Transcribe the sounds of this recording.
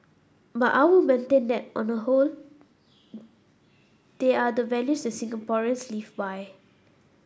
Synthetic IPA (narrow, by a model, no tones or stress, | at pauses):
batʔaɪwimẽntẽndɛt̚ʔɔ̃nəɦol | d̥eadəvɛljusdɛtsĩŋkə̃pɔɹə̃nslivbaj